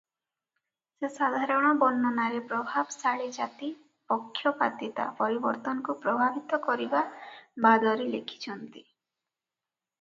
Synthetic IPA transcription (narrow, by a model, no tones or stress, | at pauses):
sesad̪ʱaɾɔɽ̃ɔbɔnːɔnaɾepɾɔbʱabsaɭed͡ʒat̪i | pɔkʰːjɔpat̪it̪a̰pɔɾibɔɾt̪ɔnɔkupɾɔbʱabit̪ɔkɔɾibabad̪ɔɾilekʰi̥t͡ʃʰɔnt̪i